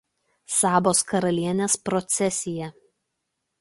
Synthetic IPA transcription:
sɑːboːskɐɾɐlʲiɛnʲeːspɾɔt̪sʲɛsʲɪjɛ

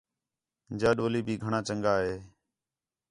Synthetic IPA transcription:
d͡ʒaːɗoːliːbʱiːɡʱəɳaːt͡ʃəŋɡaːɦeː

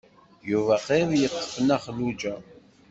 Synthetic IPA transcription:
juvæqeɾjəqːə̥fənæχlud͡ʒæ

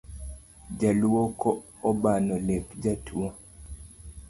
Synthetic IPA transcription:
d͡ʒaluokɔː | banɔlɛpd͡ʒatʰuo

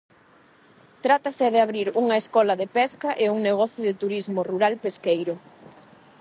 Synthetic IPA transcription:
t̪ɾat̪aseðeaβɾiɾuŋɐeskɔlɐðepɛskaʔeuŋneɣ̞ɔθjʊðet̪uɾizmoruɾalpeskejɾʊ

